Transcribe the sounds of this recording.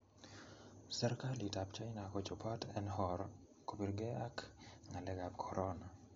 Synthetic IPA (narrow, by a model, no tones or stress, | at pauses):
sɛɾkalitapt͡ʃajnakɔt͡ʃɔpʰatɛnhɔɾ | kobiɾɡɛakŋalɛɡab̚kʰɔɾʔɔna